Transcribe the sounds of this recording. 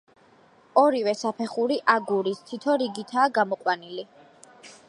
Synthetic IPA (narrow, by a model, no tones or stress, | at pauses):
ɔɾivɛsapʰɛχuɾiʔaɡuɾist̪ʰit̪ʰɔɾiɡit̪ʰaːɡamɔqʼwanili